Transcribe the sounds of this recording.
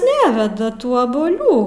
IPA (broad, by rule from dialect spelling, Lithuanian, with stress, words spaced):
ˈnʲæːʋʲɛdɐ ˈtuː ɐbuɔˈlʲuː